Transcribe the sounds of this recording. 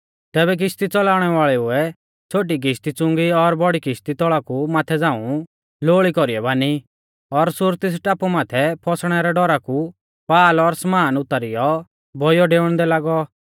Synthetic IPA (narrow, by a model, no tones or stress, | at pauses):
t̪ɛːbɛk̬ɪst̪it͡sɔlaːʊɽ̃ɛʋaːɭɛuɛ | t͡sʰoːʈ̬ik̬ɪst̪it͡sʊ̃ŋɡiɔɾbɔɽikɪst̪it̪ɔɭakumaːt̪ʰɛd͡zãːũ | loːɭikɔɾiɛbaːni | ɔɾsʊɾt̪ɪs̬ʈaːpumaːt̪ʰɛpʰɔsɽ̃ɛɾɛɖɔɾaku | paːlɔɾsmaːnʊt̪ːaɾijɔ | bʱɔjɔɖeːɽ̃d̪ɛlaːɡɔ